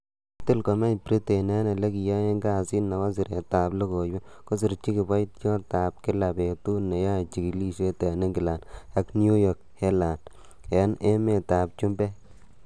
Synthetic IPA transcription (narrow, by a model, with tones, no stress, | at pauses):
tɪ˦lkɔ˨mɛ˦pɾi˦te˨nɛ˦ne˨le˦ki˨ja˦e˦ŋɡa˦˨si˦nːa˨wa˦sɪ˨ɾe˨ta˨blo˦ko˨jwa˦ | ko˦s̬ɪ˨ɾt͡ʃi˦kɪ˨ba˦jtjɔ˦ta˨p̚kɪ˦la˨be˨tu˦ne˨ja˦˨t͡ʃi˨ki˨li˦ʃe˦te˨nɪ˦ŋɡɪ˨la˨na˨knju˦jɔ˨k̚hɛ˦la˨n | e˨˦ne˦me˦˨taː˨p̚t͡ʃu˦mbɛ˦